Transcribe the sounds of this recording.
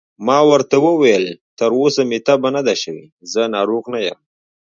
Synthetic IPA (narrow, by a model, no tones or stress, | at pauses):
mɑwəɾt̪awəwajəlt̪əɾosamɪt̪abanad̪aʃəwi | zənɑɾoɣnajəm